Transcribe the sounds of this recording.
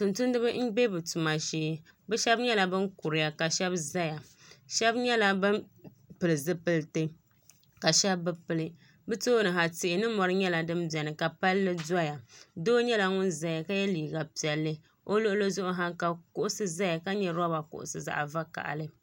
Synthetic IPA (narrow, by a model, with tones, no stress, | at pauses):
tʊ˨ntʊ˦n˦dɨ˦bɨ˦m̩˦ɡ͡be˦bɨ˨tu˨ma˨ʃeː˦ | bɨ˦ʃɛ˦bɲɛ˦la˨bɨ˦nkʊ˨ɾɨ˨ja˨ka˨ʃɛ˦bza˦ja˨ | ʃɛ˦bɲɛ˦la˦bɨ˦n | pɨ˨lɨ˨zɨ˦pɨ˦ltɨ˦ | ka˨ʃɛ˦bːɨ˦pɨ˨lɨ˦ | bɨ˦to˦nɨ˨ɦa˨tɪ˨ʔɪ˨nɨ˦mɔ˨ɾɨ˦ɲɛ˦la˨dɨ˦mbjɛ˨nɨ˨ka˨pa˦lːɨ˦da˦ja˨doː˦ɲɛ˦la˦ŋʊ˦nza˦ja˨ka˦jɛ˦liː˨ɡa˨pi˨ɛ˨lːɨ˦ | o˦lo˦ʔʊ˦lo˦zʊ˦ʔʊ˦ɦa˦ŋka˨kʊ˦ʔʊ˦sɨ˦za˦ja˨ka˦ɲɛ˨ɾa˦ba˨kʊ̰˨ʔʊ̰˨sɨ˨za̰˨ʔa˨va˦ka̰˨ʔa̰˨lɨ˦